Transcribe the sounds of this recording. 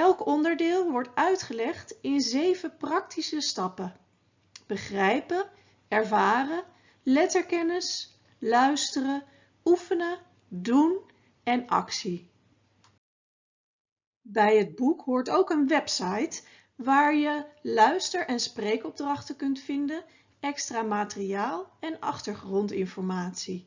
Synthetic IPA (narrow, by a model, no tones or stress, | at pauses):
ɛlˠkɔndəɹdɪːlˠʋɔɹtœɥtχəlɛχtɪnzejvəprɑk̚tisəstɑpə | b̥əχrɛjpə | ɛɹvaːrə | lɛtəɹkɛnəs | lœɥstərə | ufənə | dun | ɛnɑ̰ksi | bɛjɦəd̚bukɦʊːɹtowkənʋɛpsɑjt | ʋaːɹjəlœɥstəɹʔɛnsprejkɔb̚drɑχtəkɵntfɪndən | ɛkstraːmaːtəriaːlˠɛnɑ̰χtəɹχrɔntɪnfɔɹmaːtsi